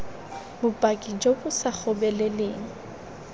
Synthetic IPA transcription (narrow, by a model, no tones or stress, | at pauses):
bʊpʼakʼid͡ʒobʊsak͡xʰɔbɛlɛleːŋ̩